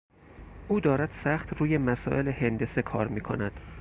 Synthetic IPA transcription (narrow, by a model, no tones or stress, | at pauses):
ʔuːd̪ɒːɾæd̪̥sæχt̪ɾuːje̞mæsɒ̰ːʔe̞lehend̪e̞se̞kʰɒːɾmiːkʰo̞̰næd̪̥